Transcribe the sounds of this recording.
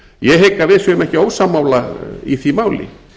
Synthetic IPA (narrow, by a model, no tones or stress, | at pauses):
jɛɦejkːavɪðsømɛhcɪowsamːawlaiθimaːwlɪ̰